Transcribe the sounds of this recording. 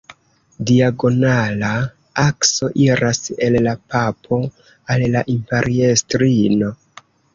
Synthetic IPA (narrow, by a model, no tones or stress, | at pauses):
diaɡo̞nala | akso̞ʔiɾʔase̞lːapapʰo̞ | alːaʔimpe̞ɾʔiestɾino̞